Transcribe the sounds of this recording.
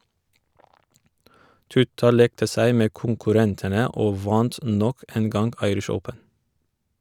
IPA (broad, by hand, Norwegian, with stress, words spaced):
ˈtʉtɑ ˈleːktə ˈsæɪ ˈmeː kʊŋkʉˈɾɛntənə ˈoː ˈʋɑnt ˈnɔk ˈeːn ˈɡɑŋɡ ˈɑɪɾɪʃ ˈəʊpən